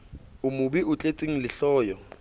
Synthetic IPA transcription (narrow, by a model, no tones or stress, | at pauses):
ʊmʊbiʔʊt͡ɬʼet͡sʼeŋ̩lɪɬɔːjɔ